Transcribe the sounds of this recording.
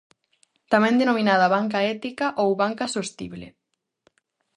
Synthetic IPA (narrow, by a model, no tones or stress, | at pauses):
t̪amɛ̃nd̪enomĩnaðɐβaŋk̬aɛt̪ikaʔowβaŋkɐsost̪ḭβlḛ